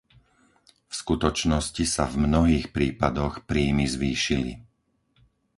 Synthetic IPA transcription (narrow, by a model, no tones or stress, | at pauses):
fskut̪ɔt͡ʃnɔscisa̰vmnɔɦiːxpɾiːpad̪ɔxpɾiːmizʋiːʃilḭ